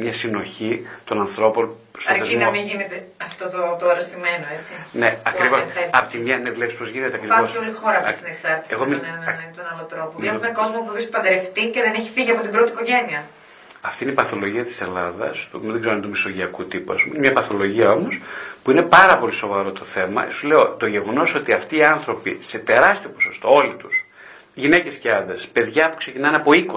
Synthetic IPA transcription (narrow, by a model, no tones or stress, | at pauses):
mɲɐsino̞çit̪o̞nɐnθɾo̞pon | stɐoɾθezimnɐmĩʝinet̪eɐft̪ot̪ot̪oɐɾest̪ime̞noet͡sineɐkɾivoseɐpot̪imɲɐnevulepspozʝinet̪eɐkɾiɐɾosiolixo̞ɾɐft̪sineksɐɾt̪i̥seɣominnet̪onɐlot̪ɾo̞pomeko̞zmopuisipɐnd̪eɾeft̪iceðeneçi̥fiʝiɐpo̞t̪ibɾo̞t̪iko̞ʝe̞niɐ | ɐft̪ineipɐθo̞lo̞ʝiɐt̪i̥selɐðɐ̰st̪uðeɡzeoɐnt̪umiso̞ʝiɐkut̪ipuɐspumnemɲɐpɐθo̞lo̞ʝiɐo̞mospuine̞pɐɾɐpo̞liso̞vɐɾo̞t̪o̞θe̞mɐ̰esuzleo̞t̪o̞ʝe̞ɣo̞no̞so̞t̪iɐft̪iːɐnθɾo̞pḭse̞t̪e̞ɾɐst̪io̞poso̞st̪o̞o̞lit̪us | ʝine̞ce̞sceɐnd̪espe̞ðʝɐpu̥kse̞cinɐnɐpo̞iko